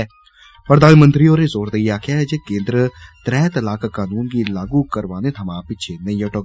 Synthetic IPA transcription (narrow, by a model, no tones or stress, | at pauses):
pɾəd̪aːnmə̃nt̪ɾioːɾeːzoːɾd̪əiːaːkʰɪjaːɦɛd͡ʒekẽːnd̪ɾət̪ɾɛːt̪əlaːkaːkaːnuːnkiːlaːɡuːkəɾʋaːneːt̪ʰəmãːpɪːʃʰeːnəioːʈoː